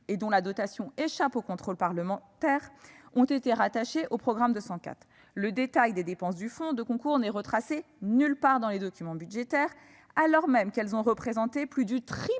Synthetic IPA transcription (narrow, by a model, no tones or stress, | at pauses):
ed̪ɔ̃lad̪ɔt̪asjɔ̃eʃapokɔ̃t̪χolpaʁləmɑ̃t̪ɛʁɔ̃t̪et̪eʁat̪aʃeʔopχɔɡʁamd̪əsɑ̃ka̰t̪χ | ləd̪et̪ajd̪ed̪epɑ̃s̬d̪yfɔ̃d̪əkɔ̃kuʁnɛʁət̪χase | nylpaʁd̪ɑ̃led̪ɔkʲymɑ̃byʒet̪ɛʁ | alɔʁmɛmkɛlzɔ̃ʁəpχezɑ̃t̪eplyd̪yt̪χi